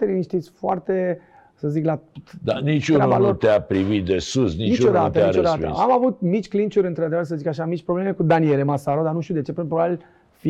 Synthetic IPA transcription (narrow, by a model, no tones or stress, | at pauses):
t̪eɾiniʃt̪isʲfoart̪e̞ | səziklad̪anit͡ʃuɾnɾaba̰lot̪eapɾivit̪̚d̪esusninit͡ʃod̪at̪əeait͡ʃod̪at̪ə̰amavut̪̚mit͡ʃʲklint͡ʃuɾʲɨnt̪ɾad̪e̞vərs̬əzikaʃamit͡ʃʲpɾo̞ble̞me̞kud̪anie̞lemasaɾod̪anuʃt̪iud̪e̞t͡ʃe̞pɾinpɾobabil | fi